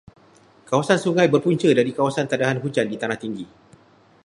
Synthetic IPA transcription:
kawasansuŋãjbərpuɲt͡ʃədaɾikawasant̪adaɦanɦud͡ʒandit̪anaht̪iŋɡi

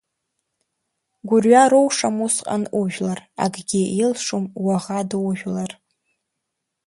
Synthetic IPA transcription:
ɡʷʊrɥaɾowʂamusqʼa̰nʔʼuʒᶣʷlara̰ɡɡʲiilʂumwaʁadwʒʲᶣlar

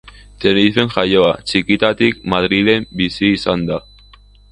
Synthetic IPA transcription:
t̪enife̞nʝajo̞at͡ʃikit̪at̪ik̚mað̞ɾile̞mbisiːsand̪a

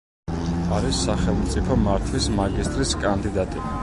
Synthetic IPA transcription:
aɾisːaχɛlˠmt̪sʼipʰɔmaɾt̪ʰwismaɡist̪ʼɾiskʼand̪id̪at̪ʼi

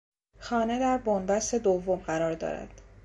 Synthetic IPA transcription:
xɒːne̞d̪æɾbonbæst̪e̞d̪ovːomɢæɾɒːɾd̪ɒ̰ːɾæ̰d̪̥

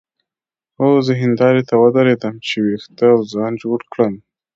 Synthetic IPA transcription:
wəwzəɦɪnd̪ɑɾet̪awəd̪əɾed̪əmt͡ʃewext̪əawzɑnd͡ʒoɽkɽəm

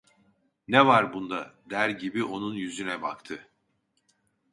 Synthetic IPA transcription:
nɛvaɾbund̪ad̪æɾɟibiʔo̞nunjyzynɛbakt̪ʰɯ

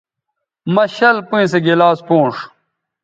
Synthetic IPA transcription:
mɐɕɐlpũĩseɡelaːspõːʂ

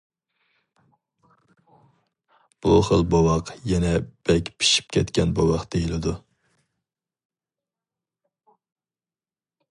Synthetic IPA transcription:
b̥uχəlˠbowɑqjɛnɛb̥ɛkʲpʰi̥ʃi̥pkʲʰɛt̪kʲʰɛnbowɑqd̪̥ejilɪd̪u

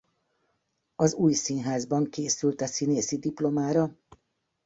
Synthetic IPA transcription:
ɒzuːjsinɦaːzbɒŋkeːsylt̪ɛsineːsid̪iplo̞maːɾɒ

